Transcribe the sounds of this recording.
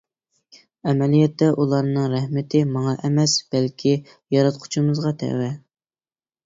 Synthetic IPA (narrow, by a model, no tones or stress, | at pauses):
ɛmɛlijɛt̪ːɛʔulˠɑɾnɨŋɾɛhmɪt̪ʰɪmɑŋɑʔɛmɛsb̥ɛlkʲʰi | jɑɾɑt̪̚qʰʊ̥t͡ʃʰumɨzʁɑt̪ʰɛ̰wɛ